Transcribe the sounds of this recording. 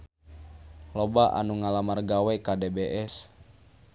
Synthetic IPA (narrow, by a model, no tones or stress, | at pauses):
lobaʔa̰nuŋalamarɡawɛkadebeʔɛs